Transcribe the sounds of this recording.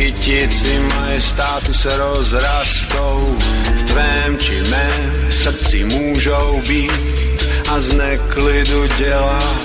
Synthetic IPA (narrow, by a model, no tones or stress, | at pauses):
icɪsɪmajɛst̪aːt̪usɛɾɔzɾast̪owft̪ʋɛːmt͡ʃɪmɛ | sr̩t͡sɪmuːʒowbiːt̪ | aznɛklid̪uɟɛla